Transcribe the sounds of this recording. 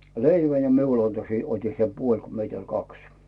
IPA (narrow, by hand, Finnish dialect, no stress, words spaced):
leiʋæ jɑ miul ɑnto se oti se puolʲ ko meit olʲ kɑks